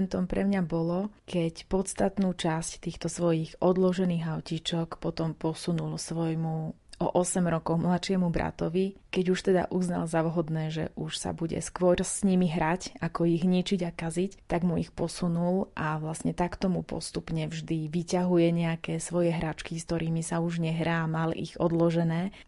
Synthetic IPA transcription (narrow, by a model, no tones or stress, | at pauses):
nt̪ɔmpɾɛmɲabɔlɔkɛcpɔt̪st̪at̪nuːt͡ʃasct̪iːxt̪ɔsʋɔjiɣʔɔd̪lɔʒɛniːɣaʊcit͡ʃɔkpɔt̪ɔmpɔsunulsʋɔjmu | ʔɔ̰ʔɔsɛmɾɔkɔʊmlat̪ʃɪɛmubɾa̰t̪ɔʋikɛɟuʃt̪ɛd̪a̰ʔuzna̰lzaʋɦɔd̪nɛːʒɛ̰ʔuʃsa̰buɟɛ̰skʋɔɾsɲimiɦɾacakɔiɣɲit͡ʃiɟakazict̪aɡmuixpɔsunulʔaʋlasɲɛt̪akt̪ɔmupɔ̰st̪upɲɛvʒd̪iʋicaɦujɛɲɛakɛːsʋɔjɛɦɾat͡ʃkiskt̪ɔɾiːmisauʒɲɛɦɾaːmalḭɣɔd̪lɔʒɛnɛː